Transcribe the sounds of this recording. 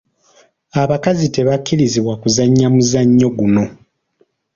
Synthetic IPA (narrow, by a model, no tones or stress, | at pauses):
aβakazite̞βakːiɾiziβwakuzaɲːamuzaɲːo̞ɡuno̞